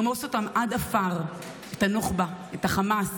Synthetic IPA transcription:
mosotamʔadafaʁ | etanoχba | etaχamas

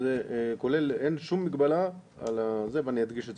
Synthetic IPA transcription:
zekolelenʃumːikbala | a̰lazebanjad̪ɡiʃe

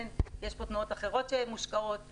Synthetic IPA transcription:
njeʃpo̞t̪nuot̪aχe̞ʁo̞tʃemuʃkaot̚

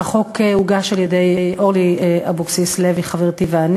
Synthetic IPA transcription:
χo̞keuɡaʃaljedejʔoʁliabuksisleviχaveʁt̪ivean

